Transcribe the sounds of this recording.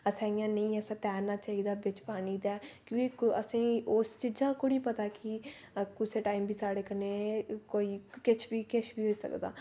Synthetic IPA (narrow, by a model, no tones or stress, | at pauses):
əsãːɪjãːnəĩːəsãːt̪ɛːnaːt͡ʃaːiːd̪aːbɪt͡ʃpaːniːd̪aːkjõːkiəsĩːoːst͡ʃiːd͡ʒãːkʊɽiːpət̪aːkɪ | kʊseːʈaːimbʱiːsaːɽeːkəneːkoːiːkɪt͡ʃʰbiːkɪt͡ʃʰbiːɦoːiːsə̰kd̪a̰ː